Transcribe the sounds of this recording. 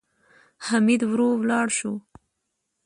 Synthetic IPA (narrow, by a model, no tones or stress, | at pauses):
hamid̪wɾowlɑɽʃu